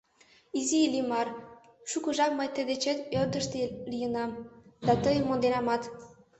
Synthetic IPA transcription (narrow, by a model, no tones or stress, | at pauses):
izilimɑr | ʃukɤ̆ʒɑk̚məjt̪əd̪et͡ɕet̪øld̪əʃt̪elijə̆nɑmd̪̥ɑt̪əjmːond̪enɑmɑt̪